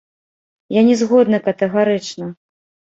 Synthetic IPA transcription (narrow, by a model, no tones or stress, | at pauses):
janʲɛzɣɔd̪nɐkɐt̪ɛɣaɾɨt͡ʂnɐ